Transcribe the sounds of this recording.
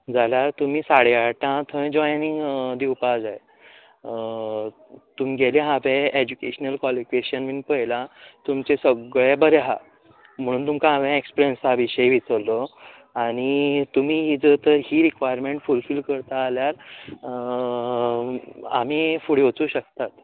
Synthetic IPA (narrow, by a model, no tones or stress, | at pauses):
d͡zaljaɾt̪um̤iːsaɽjaʈãt̪ʰə̃jd͡ʑɔjniŋɡd̪iwpad͡zaje | t̪umiɡʱeleɦabẽed͡ʑukeɕənəlkɔlikeɕənʋinpəjlãt̪umt͡ɕesəɡɭẽbəɾeɦa | m̤əɽ̃ũːnt̪umkãaʋẽekspiɾiənsaəʋiɕəjʋit͡səlːɔ | aɽ̃it̪um̤iːɦiːd͡zət̪əɦiːɾikʋajəɾmẽɳʈfulfilkəɾt̪aːljaɾ | a̰m̤iːfuɽeʋot͡suːɕək̚t̪at̪